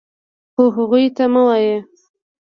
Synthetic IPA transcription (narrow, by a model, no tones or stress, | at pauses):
xoɦaɣujt̪aməwaje